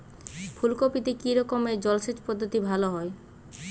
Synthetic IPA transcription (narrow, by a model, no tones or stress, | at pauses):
fʰulkopit̪ekiɾɔkomed͡ʑɔlʃet͡ɕpɔd̪ʱːot̪ibʱaloɦɔe